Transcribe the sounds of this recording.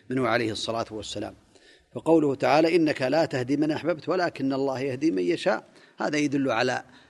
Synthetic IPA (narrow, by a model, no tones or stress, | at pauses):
mɪnhʊʕalajhɨsˤːɑlaːt̪wasːala̰ːm | fɑqɑwlʊhʊt̪aʕaːlaʔɪnːakalaːt̪ahd̪imɪnʔaħbabt̪walaːkɪnːɑlˤːɑːhjahd̪imanjaʃa̰ːʔ | ha̰ːðajad̪ʊlːʕala̰